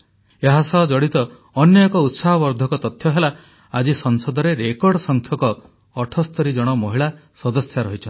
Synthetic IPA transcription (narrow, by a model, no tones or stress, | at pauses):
eɦasɔɦɔd͡ʒɔɽit̪ɔː | njɔekɔut̪saɦɔbɔɾd̪ʱɔkɔt̪ɔt̪ʰjɔɦela | ad͡ʒisɔŋsɔd̪ʱɔɾeɾekɔɾɖɔsɔŋkʰjɔkɔː | ʈʰɔst̪ɔɾid͡ʒɔɽ̃ɔmɔɦiɭasɔd̪ɔsjaɾɔɦit͡ʃʰɔn